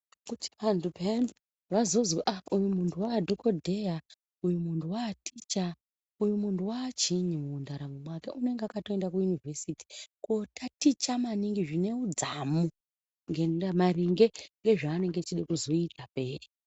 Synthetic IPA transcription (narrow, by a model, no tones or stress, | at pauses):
kuti̥pandupen | ʋazo̞zwoʔaujumuntʰuwadʱokodʱeja | ujumuntuwatit͡ʃa | ujumuntuwat͡ʃiɲimuːndaɾamumwakeʔune̞ŋɡeakatoe̞ndak̬ujunivʱesiti̥kotʰatit͡ʃamaniŋɡiʐine̞ud͡zamu | ŋɡeamariŋɡe̞ŋɡe̞ʐaːne̞ŋɡet͡ʃiɗekuzo̞itʰape̞ːri